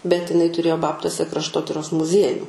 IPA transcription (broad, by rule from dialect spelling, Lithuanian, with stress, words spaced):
bʲɛt ɪˈnɐɪ tʊˈrʲeːjoː ˈbɑːptuɔsʲɛ krɐʃˈtoːtʲɪroːs mʊˈzʲiɛjuː